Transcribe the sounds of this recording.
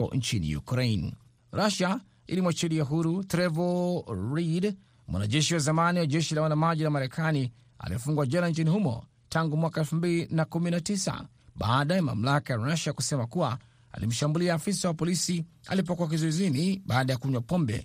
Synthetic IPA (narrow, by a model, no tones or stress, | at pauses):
ɔ̰nt͡ʃinḭjṵkɾɛin | ɾaʃa | ḭlimwat͡ʃɛliaɦuɾutɾɛvɔlɾid | mwa̰na̰ʄɛʃiwazamaniwaʄɛʃilawanamaʄinamaɾɛkʰani | a̰lijɔfuŋɡwaʄanant͡ʃinihumɔ̰ | taŋɡumwakaɛlfumbilinakuminatisa̰ | ɓaːɗajama̰m̩lakajaɾaʃakusɛmakuwa | a̰lḭm̩ʃambuliaːfisawapɔlisia̰lip̬ɔkuak̬izuɛziniɓaːɗajakuɲwapɔmbɛ̰